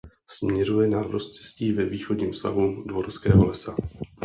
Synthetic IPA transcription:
smɲɛɾujɛnaɾdost̪t͡sɪ̥sciːvɛviːxodɲiːmfsta̰ɦudvo̞ɾskɛːɦo̞lɛsa

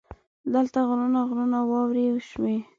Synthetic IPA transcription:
d̪əlt̪aɣɾunaɣlunawɑwɾiwʃme

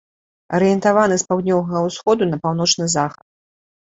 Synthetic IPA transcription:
ɐɾɨjɛnt̪avanɨspawd̪ʲnʲɔwvɐɣɐwsxɔd̪unɐpawnɔt͡ʂnɨzaxɐt̪̚

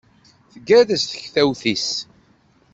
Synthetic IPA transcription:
θəɡːæðæsθə̥çθæwθis

